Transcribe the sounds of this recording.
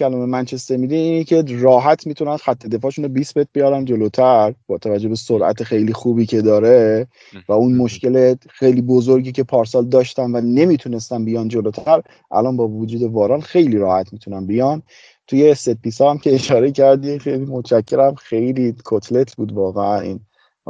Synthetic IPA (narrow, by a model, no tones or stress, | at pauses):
cʰælɒmemænt͡ʃʰe̞st̪eɾmid̪iiːnecʰeɾɒːɦæt̪ʰmiːt̪ʰunænxæt̪ʰːe̞d̪e̞fɒːʃunobisbe̞t̪̚bejɒːɾænd͡ʒo̞lot̪ʰæɾb̥ɒːt̪ʰævæd͡ʒːo̞besoɾʔæ̰t̪ʰexe̞jliːxuːbiːcʰe̞d̪ɒːɾe̞ | væunmo̞ʃce̞lexejliːbozoɾɟiːcʰe̞pʰɒːɾsɒːld̪ɒːʃt̪ænvæne̞mit̪ʰune̞st̪ænbijɒnd͡ʒolot̪ʰæɾ | ʔæ̰lɒnbɒːvod͡ʒuːd̪e̞vɒːɾɒnxe̞jliːɾɒːhæt̪ʰmit̪ʰunænbijɒn | t̪ʰujesed̪̚pʰiːsɒæmcʲʰe̞ːʃɒːɾe̞cʰæɾd̪ixejlimot͡ʃæcʰːe̞ɾæmxe̞jlikʰot̪ʰle̞t̪ʰbuːd̪vɒːɣeænḭn